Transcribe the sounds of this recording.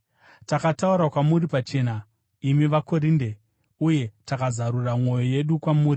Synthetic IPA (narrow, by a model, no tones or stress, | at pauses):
takatauɾakwamuɾipat͡ʃe̞ːna | imiʋako̞ɾiːnde̞ | uje̞takazaɾuramŋwo̞jo̞je̞ɗukwamuːri